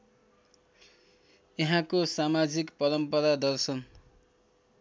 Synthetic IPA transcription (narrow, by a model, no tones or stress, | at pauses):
jʌɦãkosamad͡zikpʌɾʌmpʌɾad̪ʌrsʌn